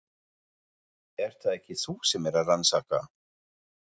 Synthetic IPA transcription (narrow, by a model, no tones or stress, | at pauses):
ɛɾ̥θaðɛhcɪθusɛmɛɾaðransaːka